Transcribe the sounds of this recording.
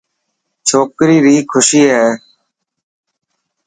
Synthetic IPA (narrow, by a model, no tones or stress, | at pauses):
t͡ʃʰoːkɾiːɾiːkʰʊʃiːɦɛː